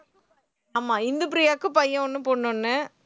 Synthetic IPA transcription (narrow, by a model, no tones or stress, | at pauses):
aːmaːɪnd̪ɯp̬ɾɪjaːkːɯ̃pɐjːɐ̃ɔnːɯpoːɳːʊnːɯ